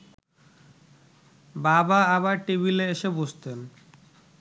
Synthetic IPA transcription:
babaaβaɾʈibileeʃeboʃt̪en

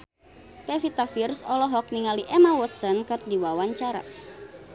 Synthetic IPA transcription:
pɛfit̪afirsɔlɔɦɔk̚niŋaliʔɛmawɔt̪sɔnkər̚diwawaɲt͡ʃaɾa̰

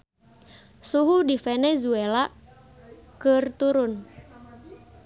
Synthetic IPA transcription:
suɦudifɛnɛzuela | kɨrt̪uɾʊn

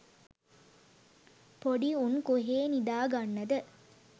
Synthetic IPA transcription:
poɖiunkuɦeːnid̪aːɡɐnːɐd̪ə

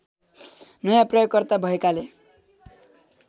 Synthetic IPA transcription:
nʌjãprʌjoɡ̚kʌrt̪abʱʌekale

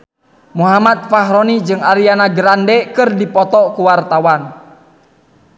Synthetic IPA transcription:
muɦamat̪̚faɦɾɔnid͡ʒɨŋaɾianaɡəɾandɛkɨrdipɔt̪ɔkuwart̪awan

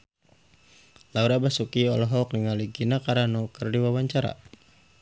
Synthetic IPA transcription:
lauɾabasukiɔlɔɦɔk̚niŋaliɡinakaɾanukərdiwawaɲt͡ʃaɾa̰

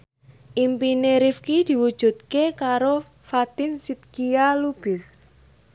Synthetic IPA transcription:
ʔimpineɾifkid̪̥i̤wud̥ʒ̥ṳt̪̚kekaɾo | fat̪insit̪̚kialub̥ɪs

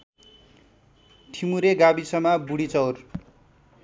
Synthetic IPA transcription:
ʈʰimuɾeɡabisʌmabuɽit͡sʌwr

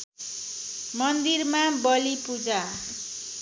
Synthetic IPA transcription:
mʌnd̪irmabʌlipud͡za

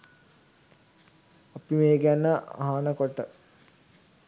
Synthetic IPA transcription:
apimeːɡænəʔa̰ɦanəkoʈə

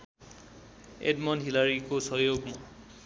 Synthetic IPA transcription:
ḛdmɔnɦilaɹikosɔjoɡmɔ

